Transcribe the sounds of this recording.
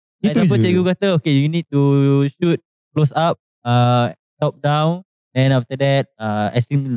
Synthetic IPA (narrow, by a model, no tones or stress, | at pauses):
iapət͡ʃɛɡukat̪əokejunid̚tuʃut̚ | klosap̚ | a | tɔp̚dãw̃n | ɛ̃naft̪ədɛt̚aɛ̰stĩml